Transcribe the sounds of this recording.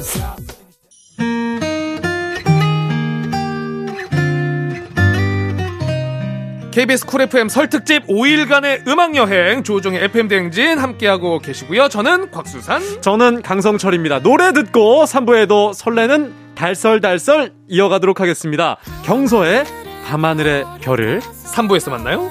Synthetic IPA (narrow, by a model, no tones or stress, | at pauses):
kʰe̞ibisʰɯ̥kʰuɾe̞pʰɯe̞msʰʌɭtʰɯk̚t͡ɕ͈ib̚oiɭɡane̞ʔɯmaŋjʌɦeŋt͡ɕod͡ʑoŋeepʰɯe̞mdeŋd͡ʑinhamk͈e̞ɦaɡoke̞ɕʰiɡujot͡ɕʌnɯnkwak̚s͈usʰant͡ɕʌnɯnkaŋs̬ʰʌŋt͡ɕʰʌɾimɲidanoɾe̞dɯt̚k͈osʰambue̞dosʰʌɭːe̞nɯn | taɭs͈ʌɭdaɭs͈ʌɾ | iʌɡadoɾokʰaɡe̞s͈ɯmɲida̰kjʌŋsʰʌe̞kamanɯɾe̞pjʌɾɯ̰ɭsʰambue̞sʰʌmanːajo